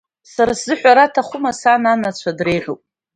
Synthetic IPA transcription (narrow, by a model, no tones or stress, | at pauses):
saɾaszɨħᶣʷaɾatʰaχʷʊmasananat͡ɕʷʰadrejʕʷopʼ